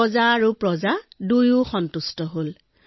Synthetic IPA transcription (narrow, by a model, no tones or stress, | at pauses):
ɔzaːɹupɹɔzadujuxɔntustɔɦol